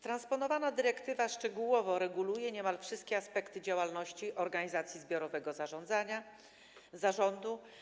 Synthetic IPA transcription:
t̪ɾanspɔnɔvanad̪ɘɾɛkt̪ɘvaʂt͡ʂɛɡuwɔvɔɾɛɡulujɛɲɛmalfʂɘst̪̚kʲɛaspɛkt̪ɘd͡ʑawalnɔɕt͡ɕiʔɔɾɡaɲizat̪sʲjizbʲjɔɾɔvɛɡɔzaʐɔnd̪zaɲa | zaʐɔnd̪u

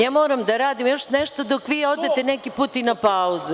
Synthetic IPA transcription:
jaːmo̞ːɾamd̪aɾaːd̪imjo̞ʃneʃt̪od̪okʋiːo̞d̪e̞t̪e̞nekipuːt̪inapauzu

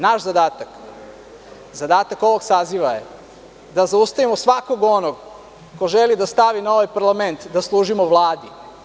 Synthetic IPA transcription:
naʃzad̪aːt̪ak | zad̪aːt̪ako̞ʋo̞ɡsaːziʋajḛ | d̪azaust̪aʋimosʋako̞ɡo̞noɡ | ko̞ʒelid̪ast̪aʋinao̞ʋajpaɾlˠame̞nt̪d̪aslˠuːʒimoʋlˠaːd̪i

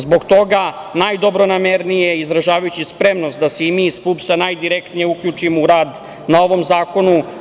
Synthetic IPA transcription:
zbo̞ɡt̪o̞ɡa | najd̪o̞bɾonameɾnijeizɾaʒaːʋajut͡ɕispɾemnost̪d̪aseimiːspupsanajd̪iɾekt̪nijeukʎuːt͡ʃimouɾaːd̪ | nao̞ʋo̞mzaːko̞nu

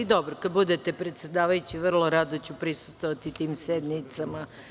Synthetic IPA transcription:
id̪obɾokad̪̚bud̪et̪epɾet̪sʲed̪aːʋajut͡ɕiʋr̩lˠoɾad̪ot͡ɕupɾisu̥st̪ʋoʋat̪it̪iːmsed̪nit̪sama

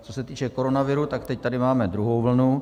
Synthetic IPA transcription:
t͡so̞sɛt̪iːt͡ʃɛko̞ɾonavɪɾut̪akt̪ɛc̚t̪adɪmaːmɛd̪ɾuɦowvl̩nu

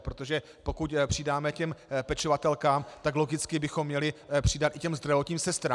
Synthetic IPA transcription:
pɾot̪o̞ʒɛ | po̞kucpr̥ɪdaːmɛcɛmpɛt͡ʃovat̪ɛlkaːmt̪aklo̞ɡɪt͡skɪbɪxomːɲɛlɪpr̝̥ɪdat̪ʔɪcɛmzd̪ɾavo̞t̪ɲiːmsɛst̪ɾaː

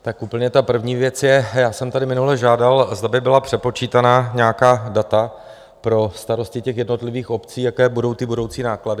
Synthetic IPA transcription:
t̪akupl̩ɲɛt̪apr̩vɲiːvjɛt͡sjɛjaːsɛmt̪adɪmɪnulɛʒaːdalzd̪abɪbɪlapr̝̥ɛpo̞t͡ʃiːt̪anaːɲɛjakaːdat̪a | pɾo̞st̪aɾo̞scɪcɛxjɛdno̞t̪lɪviːxo̞pt͡siːjakɛːbudo̞wt̪ɪbudo̞wt͡siːnaːkladɪ

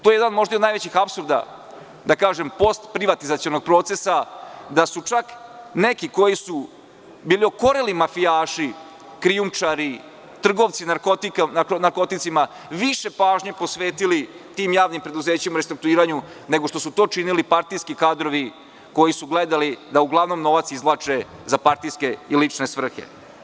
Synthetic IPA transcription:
t̪ojejed̪anmo̞ʒd̪ajid̪najʋet͡ɕixapsuɾd̪a̰ | d̪akaːʒempo̞st̪pɾiʋat̪izat̪sionoɡ̚pɾo̞ːt̪se̞sad̪asut͡ʂaknekiko̞jisu | biːlio̞ko̞ɾelimafijaːʂi | kɾiumt͡ʂaɾi | t̪r̩ɡo̞ʋt̪sinaɾkot̪ikananaɾko̞t̪it̪sima | ʋiʃe̞paːʒɲe̞po̞sʋeːt̪ili | t̪iːmjaːʋnimpɾe̞d̪uze̞ːt͡ɕemuɾest̪ɾuk̚t̪uiːɾaɲu | ne̞ɡoʂt̪o̞sut̪o̞ːt͡ʂinilipaɾt̪ijskikaːd̪ɾo̞ʋi | ko̞jisuɡled̪alid̪auɡlˠaʋno̞mno̞ʋat̪sizlˠat͡ʂe̞ | zapaɾt̪ijske̞ilit͡ʂne̞sʋr̩xḛ

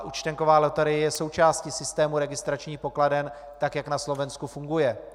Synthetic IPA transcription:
ʔut͡ʃt̪ɛŋko̞vaːlɛt̪ɛɾɪjɛjɛso̞wt͡ʃaːscɪsɪst̪ɛːmuɾɛɡɪst̪ɾat͡ʃɲiːxpo̞kladɛn | t̪akjaknaslo̞vɛnskufuŋɡujɛ

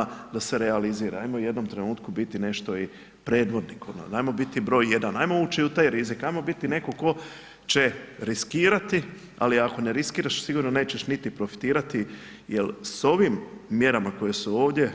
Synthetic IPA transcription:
d̪ase̞ɾe̞aliziːɾaajmoje̞d̪no̞mt̪ɾe̞nuːt̪kubit̪ine̞ʃt̪o̞i | pɾe̞ːd̪ʋo̞d̪nikon̰ajmo̞bit̪ibɾo̞ːjːje̞d̪anajmouːt͡ʃiut̪aːjɾizikajmo̞bit̪ine̞ko̞ko̞ | t͡ʃe̞ɾiskiːɾat̪i | a̰liako̞ne̞ɾiskiːɾaʃsiɡuɾno̞ne̞ːt͡ɕe̞ʃnit̪ipɾo̞fi̥t̪iːɾat̪i | jelso̞ʋimːje̞ɾamako̞jesuo̞ːʋd̪je̞

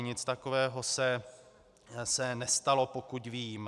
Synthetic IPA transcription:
ɲɪt͡st̪akovɛːɦo̞sɛ | sɛnɛst̪alo̞pokucviːm

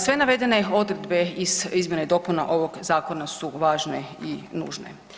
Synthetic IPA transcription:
sʋe̞naʋe̞d̪e̞ne̞o̞d̪ɾed̪be̞iz̥izmje̞neid̪o̞ːpuna̰ʔo̞ʋo̞ɡzaːko̞nasuʋaːʒneinṵːʒnḛ

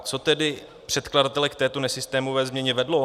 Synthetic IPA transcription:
t͡so̞t̪ɛdɪ | pr̥ɛt̪kladat̪ɛlɛkt̪ɛːt̪o̞nɛsɪst̪ɛːmovɛːzmɲɛɲɛvɛdlo

